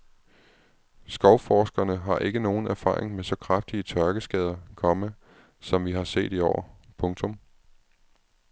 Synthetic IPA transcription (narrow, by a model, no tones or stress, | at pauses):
sɡ̥ɒ̽ʊfɒːsɡ̥ɐnəɦɑ̈ʔe̝ɡ̥əno̝ːn̩æɐfɑ̰̈ːʁeŋmesɒ̽kʰʁafd̥iət͡sʰɶɐɡ̥əsɡ̥ɛːð̞ˠɐkʰɒ̽mə | sɒ̽mʋiɦɑ̈se̝̰ːd̥iɒ̰ːpʰɔ̽ŋt͡sʰɔ̽m